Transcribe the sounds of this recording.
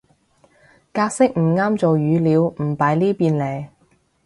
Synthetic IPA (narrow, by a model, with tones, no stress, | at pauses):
kaː˧k̚sɪ˥k̚m̩˨˩ŋaː˥mt͡so˨wjyː˨˧liː˨˧wm̩˨˩paː˨˥jliː˥piː˨˧nle˨˩j